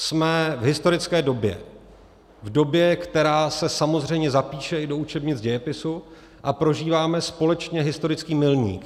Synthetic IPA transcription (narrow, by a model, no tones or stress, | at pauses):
smɛvɦɪst̪o̞ɾɪt͡skɛːdo̞bjɛ̰ | vdo̞bjɛkt̪ɛɾaːsɛsamo̞zr̝ɛjmɲɛzapiːʃɛʔɪdo̞ut͡ʃɛbɲɪd͡zɟɛjɛpɪsu | ʔapɾo̞ʒiːvaːmɛspo̞lɛt͡ʃɲɛɦɪst̪o̞ɾɪt͡skiːmɪlɲḭːk